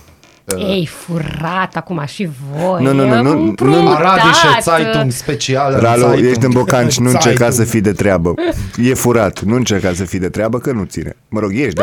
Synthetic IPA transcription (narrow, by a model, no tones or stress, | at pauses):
ejfuɾat̪akumaʃivonunununupnuɾad̪iʃosajt̪uŋspet͡ʃialɾalojeʃd̪ɨnbokant͡ʃʲnuɨnt͡ʃerkasəfid̪et̪ɾeabəje̞fuɾat̪nuɨnt͡ʃe̞rkas̬əfid̪et̪ɾeabəkənut̪sḭnḛməɾo̞ɡje̞ʃd̪a